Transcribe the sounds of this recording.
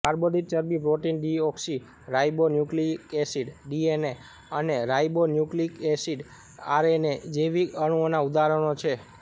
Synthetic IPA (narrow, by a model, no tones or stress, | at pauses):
aɾbod̪it̪̚t͡ʃəɾbipɾoʈinɖiɔksi | ɾajbonjuklikesiɖɖiene | əneɾajbonjuklikesiɖ | aɾened͡ʒeʋiəɳ̃uonaud̪aɾəɽ̃ot͡ʃʰe